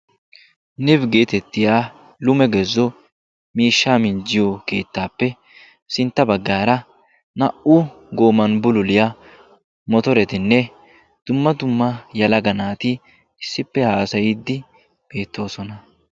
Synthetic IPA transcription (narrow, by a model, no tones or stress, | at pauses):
nɪbɡe̞ːt̪ɛt̪ːɪjaː | lʊmɛɡɛzːɔ | miːʃːaːmɪnd͡ʒɪjɔke̞ːt̪ːaːpːɛ | sɪnt̪ːɐbɐɡːaːɾɐ | nɐʔʊ | ɡo̞ːmɐnbʊlʊlɪjɐ | mɔt̪ɔɾɛt̪ɪnːɛ | d̪̥ʊmːɐd̪ʊmːɐjɐlɐɡɐnaːt̪ɪ | ɪsːɪpːɛhaːsɐjɪd̪ːɪ | b̥e̞ːt̪ːo̞ːsɔnɐ